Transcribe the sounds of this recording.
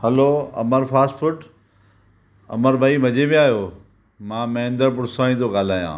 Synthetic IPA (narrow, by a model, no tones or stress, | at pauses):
hɐloːɐ̰məɾfʰaːsʈfʊʈ | ɐ̰məɾbaimɐd͡ʑebẽaːjoː | mãːmɐ̃ɦɪ̃nd̪əɾpʊɾsaːĩt̪ʰoɡaːl̤aːjã̰ː